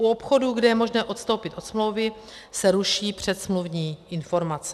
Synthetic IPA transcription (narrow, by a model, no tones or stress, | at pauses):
ʔuopxo̞duɡdɛjɛmo̞ʒnɛːʔo̞t̪st̪o̞wpɪt̪ʔo̞t̪smlo̞wvɪ | sɛɾuʃiːpr̝̥ɛt̪smluvɲiːʔɪnfo̞ɾmat͡sɛ̥